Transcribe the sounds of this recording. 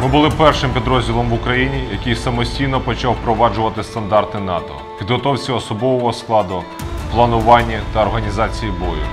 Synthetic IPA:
mɪbʊlˠɪpɛrʃɪmpʲid̪ɾɔzʲdʲilˠɔmʋʊkɾɐjinʲijɐkɪjsɐmɔsʲtʲijnɔpɔt͡ʃɑwpɾɔʋɑd͡ʒʊʋɐt̪ɪst̪ɐnd̪ɑrt̪ɪnɑt̪ɔ̰ | pʲid̪ɦɔt̪ɔwt͡sʲiɔsɔbɔʋɔɦɔsklˠɑd̪ʊ | plˠɐnʊʋɑnʲːɐt̪ɐːrɦɐnʲizɑt͡sʲijibɔjʊ̰

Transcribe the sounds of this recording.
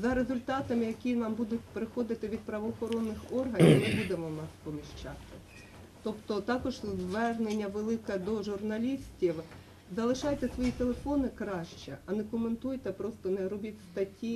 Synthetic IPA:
zɐɾezʊlʲt̪ɑt̪ɐmɪjɐkʲinɑmbud̪ʊt̚ʲpɾɪxɔd̪ɪt̪ɪʋʲid̪̚pɾɐʋɔːxɔɾɔnːɪxɔrɦɐnʲmɪbud̪emɔwnɑspɔmʲiʃt͡ʃɑt̪ɪ | t̪ɔpt̪ɔt̪ɑkɔʒʋɛrnenʲːɐʋelˠɪkɛd̪ɔʒʊrnɐlʲisʲtʲiw | zɐlˠɪʃɑjt̪ɛsʋɔjit̪elˠefɔnɪkɾɑʃt͡ʃɛɐnɛkɔment̪ujt̪ɛpɾɔst̪ɔnɛɾɔbʲitʲst̪ɐtʲi

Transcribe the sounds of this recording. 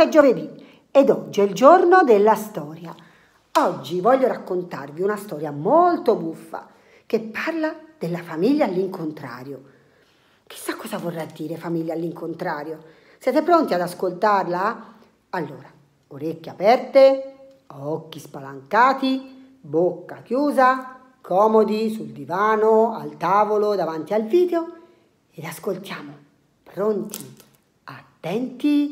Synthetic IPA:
ɛd͡ʒːoved̪i | ɛd̪ɔd͡ʒːiɛild͡ʒornod̪elːast̪ɔːɾja | ɔd͡ʒːivɔʎːoɾakːont̪arviunast̪ɔːɾjamolt̪obufːa̰ | kepːarlad̪̥elːafamiʎːaːlːiŋkont̪ɾa̰ːɾjo | k̟i̥sːakːɔːzavorːad̪ːiːɾefamilːaːlːiŋkont̪ɾaːɾjo | sjɛːt̪epɾont̪iad̪askolt̪arla | alːoːɾa | oɾekːjapɛrt̪e | ɔkːispalaŋkaːt̪i | bokːakjuːza | kʰɔːmod̪isuld̪ivaːnoa̰lt̪aːvolod̪avant̪ialviːd̪eo | ed̪askolt̪jaːmo | pɾont̪i | at̪ːɛnt̪i

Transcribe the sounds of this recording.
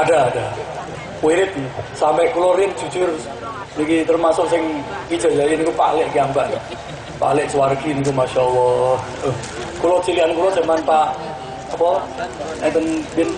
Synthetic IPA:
adaːda | weɾɪt̪̚sampɛʔkulɔrɪnd͡ʒ̥ud͡ʒ̥ʊr | nikit̪ərmasʊʔsɪŋɡi̥d͡ʒ̥a̤d͡ʒajɪnikupa̰lɪʔkiambaʔja | pa̰lɪʔsəwarɡinik̬umaʃalɔh | ʊh | kulɔt͡ʃiliankulɔd͡ʒamanpaʔ | apɔ | ɛnt̪ənbɪn

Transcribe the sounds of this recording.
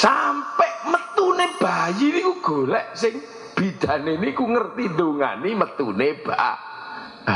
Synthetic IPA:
sampɛʔmət̪uneb̥ajinikuɡ̥olɛʔsɪŋ | b̥i̤d̪̥ä̤nenikuŋərt̪ind̪oŋa̰nimət̪uneb̥aʔa̰

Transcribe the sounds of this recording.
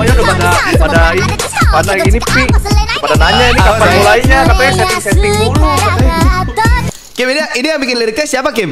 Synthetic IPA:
ajaləpadapadaini | banaiinipikəpadanaɲainikapamulaiɲakat̪ajasɛt̪ɪŋsɛt̪ɪŋdulukat̪aj | kɪminiaʔinijaŋbikɪnliɾikasiapakɪm

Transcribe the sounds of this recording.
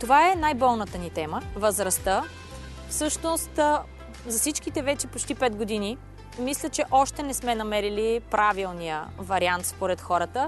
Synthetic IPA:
t̪ovaɛnajbɔlˠnət̪ənit̪ɛməvəzɾɐst̪ə | fsɤʃnost̪ | zɐfsit͡ʃk̟it̪ɛvɛt͡ʃɛpot͡ʃt̪ipɛd̪ɡod̪ini | mislʲət͡ʃɛʔɔʃt̪ɛnɛsmɛnɐmɛɾilipɾʔavilˠnijə̰vɐɾiant̪spoɾɛt̪xɔɾət̪ə

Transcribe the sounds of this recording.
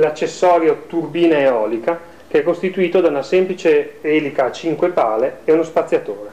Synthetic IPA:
lat͡ʃːesːɔːɾjot̪urbiːnaeɔːlika | keɛkːost̪it̪uiːt̪od̪aunasɛmplit͡ʃeɛːlikaːt͡ʃiŋkwepa̰ːleɛunospat̪sːjat̪oːɾe

